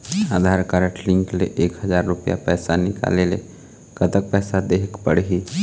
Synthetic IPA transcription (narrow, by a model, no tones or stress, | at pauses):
aːd̪ʱaːɾkaɾəʈlɪ̃ŋklḛʔeːkɦəzaːɾːʊpja̰pɛːsanɪka̰ːlele | kət̪ək̚pɛːsad̪eːkpəɽɦi